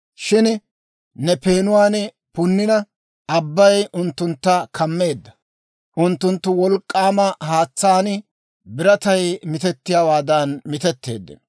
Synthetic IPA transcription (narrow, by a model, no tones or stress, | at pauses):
ʃɪn | nɛpe̞ːnʊwaːn | pʊnːɪnɐ | ɐbːɐjʊnt̪ːʊnt̪ːɐkʰɐmːe̞ːd̪ːɐ̥ | ʔʊnt̪ːʊnt̪ːʊwɔlkʼːaːmɐhaːt͡sːaːnɪ | bɪɾɐt̪ɐjmɪt̪ɛt̪ːɪjaːwaːd̪ɐnmɪt̪ɛt̪ːe̞̰ːd̪ːɛ̰